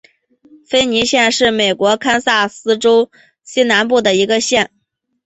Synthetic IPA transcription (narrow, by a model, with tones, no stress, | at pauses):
fe˥ɪni˧˥ɕjɛ˥˧nʂɻ̩˥˩me˨˩ɪkwɔ˧˥kʰa˥nsa˥˩sɹ̩˥ʈ͡ʂo˥ʊ | ɕi˥na˧˥npu˥˩d̪ə˩i˧˥ɡə˧ɕjɛ˥˩n